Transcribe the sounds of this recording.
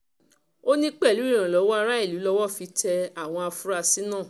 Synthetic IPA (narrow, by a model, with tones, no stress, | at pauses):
o˦nĩ˦k͡pɛ˦˨lu˨˦i˦˨ɾ̃ã˨lɔ˨˦wɔ˦a˧ɾa˦i˦˨lu˨˦lɔ˧wɔ˦˨fi˧˦tɛ˧a˦˨w̃ɔ̃˧a˧fu˦ɾa˧si˦nãː˦˨